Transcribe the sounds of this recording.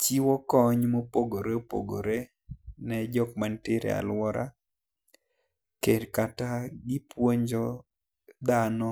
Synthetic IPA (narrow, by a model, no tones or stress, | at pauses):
t͡ʃiwɔkɔɲmopoɡoɾeopo̰ɡo̰ɾe | nɛd͡ʒɔkmantɪɾḛa̰lwɔɾa̰ | kedkataɡɪpwoɲd͡ʒɔ | d̪anɔ